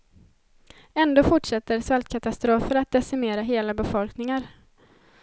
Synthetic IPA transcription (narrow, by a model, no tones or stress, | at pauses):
ɛnd̪oːfʊʈʂɛt̪ːəɾsvɛlt̪kʰat̪ast̪ɾoːfəɾat̪̚d̪ɛsɪmeːɾaɦeːlabɛfɔlknɪŋaɾ